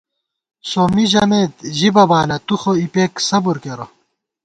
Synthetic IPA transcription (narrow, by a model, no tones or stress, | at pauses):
soːmiʑɐmeːt̪ʑibɐbaːlɐt̪uxoipeːksɐbuɾkeɾo